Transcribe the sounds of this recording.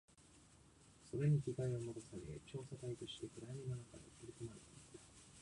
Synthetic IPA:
so̞ɾe̞ɲ̟ikʲiɡaio̞mo̞t̪osaɡet͡ɕo̞ːsat̪ait̪oɕi̥t̪e̞kɯ̟ɾajmʲinonaka̰d̪ḛkɯɾʲikɯmaɾet̪eit̪ḁ

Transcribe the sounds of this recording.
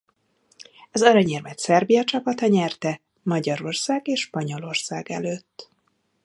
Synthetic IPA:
ɒzɒɾɒɲɛrmɛt̪sɛrbijɒt͡ʃɒpɒt̪ɒɲɛrt̪ɛ | mɒɟɒɾo̞rsaːɡeːʃʃpɒɲo̞lo̞rsaːɡɛ̰løːt̪ː

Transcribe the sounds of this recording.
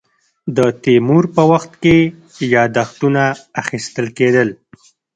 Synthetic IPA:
d̪ət̪emuɾpəwaxt̪ke | jɑd̪axt̪unaːxist̪əlked̪əl

